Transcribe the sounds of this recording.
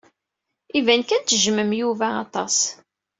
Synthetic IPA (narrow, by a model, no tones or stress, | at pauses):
ivænkænt̪ːəʒməmjuvæɑt̪ˤɑs